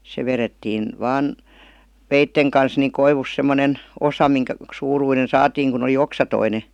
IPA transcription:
se ʋeretːiːn ʋɑːn ʋeitːeŋ kɑns niŋ koiʋus semːonen osɑ miŋkæ suːruinen sɑːtiːŋ kun oli oksɑtoine

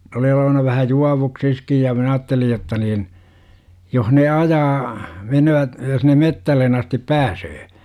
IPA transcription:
n oli oloʋɑnɑ ʋæhæ juɑʋuksiskij jɑ minæ ɑːtːelij̆ jotːɑ niːn joh ne ɑjɑː menøʋæt jos ne metːælːen ɑstip pæːsøː

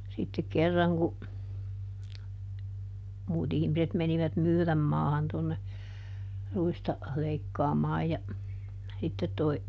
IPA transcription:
sitːek kerːɑŋ ku muːt ihmiset meniʋæt myːræmːɑːhɑn tonːe ruistɑ leikːɑːmɑːj jɑ sitːet toi

